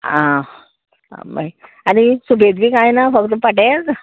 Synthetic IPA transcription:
ã̰ | ma̰i | añisubʱed̪ʋiːkãjnafək̚t̪əpəʈed͡z

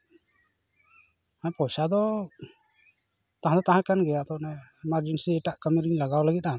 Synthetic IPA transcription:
apɔsad̪ɔ | t̪ãɦãd̪ɔt̪aɦãkanɡɛjat̪ɔʔnɛɛmaɾd͡ʒɛnsiɛʈaʔkəmiɾiɲlaɡawlaɡit̪̚ˀan

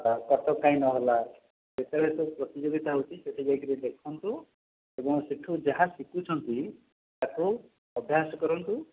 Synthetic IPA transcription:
akɔɾt̪ɔkaĩnɔɦɔla | d͡ʒet̪aɽet̪upɾɔt̪id͡ʒoɡit̪aɦowt͡ʃʰiseʈ̪ʰid͡ʒajkiɾid̪ekʰɔnt̪u | ebɔŋsiʈʰud͡ʒaɦasikut͡ʃʰɔnt̪i | t̪aku | ɔbʱjasɔkɔɾɔnt̪u

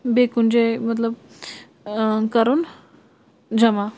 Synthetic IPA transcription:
bekund͡ʑemət̪ləb | kəɾuːn | d͡ʑəma

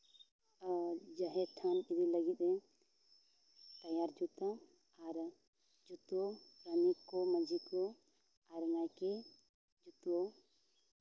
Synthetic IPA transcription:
d͡ʒəɦɛʈʰanid̪iləɡit̪̚ˀɛ | t̪ɐjaɾd͡ʒut̪a | aɾ | d͡ʒut̪opɾənikkːɔməd͡ʒikɔ | aɾŋajke | d͡ʒut̪o

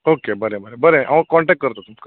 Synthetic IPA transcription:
oːkebəɾebəɾebəɾeʔɐʋ̃kɔːɳʈek̚ʈkɐɾt̪ot̪umka

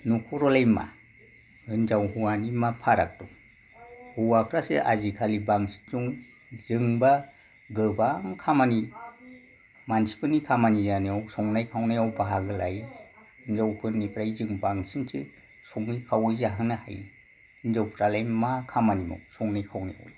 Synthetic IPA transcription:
nukʰɔɾɔlajma̰ | ɯnzawɦuwanimapʰaɾak̚tɔ | huwakʰɾaseʔa̰zikʰalibaŋsi̥zuŋzɯŋba | ɡɯbaŋkʰamani | mansi̥pʰɯnikʰamanijaniawsɔŋnajkʰawnajawbaɦaɡɯlaj | nzawkʰɯnipʰɾajzɯŋbaŋsinsʰḛ | sɔŋnikʰawɯzaɦɯnaha̰j | nzawpʰɾalajmmakʰamanimɔ̰sɔŋnajkʰawna̰ja̰wla

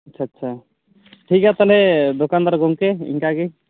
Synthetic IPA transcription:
att͡ʃʰaːtːʃʰa | ʈʰikat̪alɛd̪okand̪aɾɡɔŋkeḭŋkaɡe

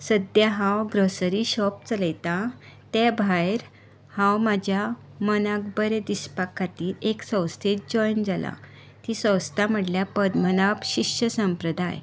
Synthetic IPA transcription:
səd̪jaɦãwɡɾəsəɾiɕɔp̚t͡sələjt̪at̪ɛbʱajɾ | hãwmad͡ʑʱja | mənãk̚bəɾed̪ispakʰːat̪iːɾeksə̃w̃st̪ʰet̪̚d͡ʑɔjnd͡zala̰ | t̪isə̃wst̪am̤əʈljapəd̪mənapɕikɕəsə̃mpɾəd̪a̰j

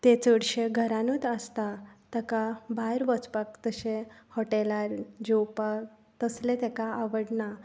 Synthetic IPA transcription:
t̪et͡səɽɕeɡʱəɾãnut̪əst̪at̪əkabaɾʋət͡spakt̪əɕehɔʈelaɾd͡ʑewpa | t̪əslet̪ekaaʋəɽna

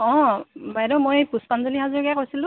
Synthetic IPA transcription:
ɔ̃bajdɔmojpuspanzolihazɔɹkɛkojsilʊ̃

